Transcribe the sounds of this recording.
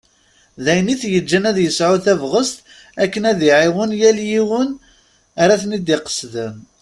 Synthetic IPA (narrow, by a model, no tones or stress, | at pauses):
ðæjəniθjəd͡ʒːænæðjəsʕʊθævʁəst̪ | ækːənæðiʕɪwənjæljiwən | aɾæθnid̪iqə̥sð